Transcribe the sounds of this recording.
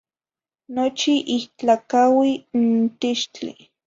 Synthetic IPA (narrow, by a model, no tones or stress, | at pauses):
not͡ʃiʔiht͡ɬakawint̪iʃt͡ɬḭ